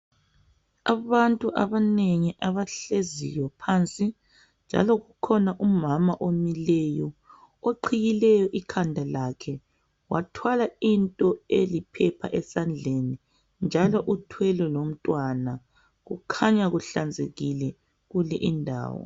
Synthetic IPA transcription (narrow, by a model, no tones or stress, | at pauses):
aβantʼuʔaβaneŋiʔaβaɬezḭjɔpʰant͡sʼi | nd͡ʒʱa̰lɔɣukʰɔnaʔumamaʔomilɛjɔ | oǃʰijilɛjɔʔikʰandʱalakʰɛ | watʰwalaintʼɔelipʰɛpʰa̰ʔɛsand͡ɮʱeni | nd͡ʒʱalɔʔutʰwɛlɛlom̩tʼwana | ɣukʰaɲaɣuɬand͡zʱeɣilɛ | ɣulɛʔindʱa̰ːwɔ̰